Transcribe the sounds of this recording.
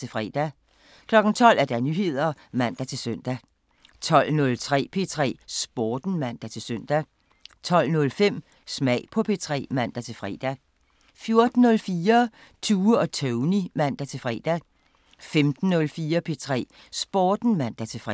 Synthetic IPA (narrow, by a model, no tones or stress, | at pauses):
t͡sʰe̝fʁɛ̰d̥æ | kʰlɒ̽ɡ̥n̩t͡sʰɒ̽l̰æɐd̥ænyhe̝ð̞̰ˠɐ | mæn̰d̥æt͡sʰe̝lsøn̰d̥æ | t͡sʰɒ̽l̰nɔ̽lt͡sʰʁɛ̰ːpʰe̝t͡sʰʁɛ̰ːsb̥oːd̥n̩mæn̰d̥æt͡sʰe̝lsøn̰d̥æ | t͡sʰɒ̽l̰nɔ̽lfem̰ | smɛɪpʰɒ̽pʰe̝t͡sʰʁɛ̰ːmæn̰d̥æt͡sʰe̝lfʁɛ̰ːd̥æ | fjo̝ɐd̥n̩ːɔ̽lfiːɐ | t͡sʰuːɒ̽t͡sʰøʊnimæn̰d̥æt͡sʰe̝fʁɛ̰ːd̥æ | femd̥n̩ːɔ̽lfiːɐpʰe̝t͡sʰʁɛ̰ː | sb̥oːd̥n̩mæn̰d̥æt͡sʰe̝fʁ